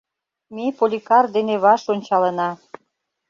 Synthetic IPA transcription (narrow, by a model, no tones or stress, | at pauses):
mepolʲikɑrd̪eneβɑʃonʲt͡ɕɑlənɑ